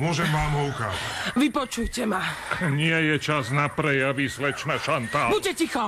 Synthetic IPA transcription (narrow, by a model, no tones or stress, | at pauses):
mʊɔʒɛmʋaːmɔuka̰ːzaʋipɔt͡ʃujcɛmaɲɪɛjɛt͡ʃaznapɾɛjaʋisʋɛt͡ʃnaʃant̪aːbucɛcixɔ